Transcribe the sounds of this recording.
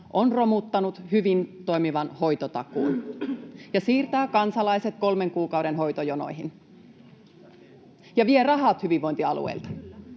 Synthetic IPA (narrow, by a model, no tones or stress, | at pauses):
ʔonromut̪ːɑnut̪hyʋint̪oimiʋɑnho̞jt̪ot̪ɑ̰kuːn | jɑsiːrt̪æːkɑnsɑlɑiset̪̚ko̞lmeŋkuːkɑwɾenɦo̞jt̪ojono̰iɦin | jɑʋierɑɦɑt̪hyʋiʋoint̪iɑlṵḛilt̪ɑ̥